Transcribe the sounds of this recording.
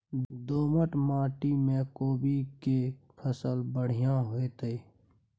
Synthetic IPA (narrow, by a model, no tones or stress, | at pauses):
d̪oːməʈmaːʈimẽkoːbike | pʰəsəlbəɽ̤ijãɦoet̪eː